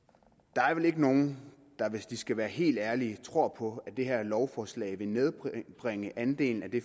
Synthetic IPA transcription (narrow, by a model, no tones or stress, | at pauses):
d̥ɑ̈æɐʋele̝ɡ̥əno̝ːn̩ | d̥ɑ̈ʋe̝sd̥isɡ̥æʋæːɐɦe̝̰ːld̥æɐliət͡sʰʁo̝ɐ̰pʰɒ̽æd̥e̝ɦæɐ̰lɒʊfɒːslɛ̰ɪʋe̝neð̞ˠb̥b̥ʁaŋəʔænd̥e̝̰ːln̩æd̥e̝